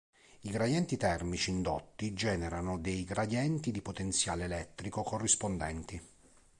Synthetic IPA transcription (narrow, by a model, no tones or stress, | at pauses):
iɡɾad̪jɛnt̪it̪ɛrmit͡ʃiːnd̪ot̪ːid͡ʒɛːneɾanod̪ejɡɾad̪jɛnt̪id̪ipot̪ent̪sjaːleːlɛt̪ːɾikokorːispond̪ɛ̰nt̪i